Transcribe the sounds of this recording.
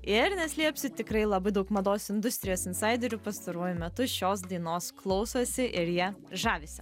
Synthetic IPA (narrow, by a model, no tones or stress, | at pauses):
ɪɾnʲɛsʲlʲiɛpʲsʲɪt̪ʲɪkɾɐɪlˠɐbɐɪd̪ɐʊkmɐd̪oːsɪnd̪ʊsʲt̪ʲɾʲɪjoːsɪnsɑɪd̪ʲɛɾʲupɐst̪ɐɾuɔjʊmʲɛt̪ʊʃʲoːs̬d̪ɐɪnoːsklˠɒʊsosʲɪʔɪɾjiɛʒɑːʋʲɪsʲɪ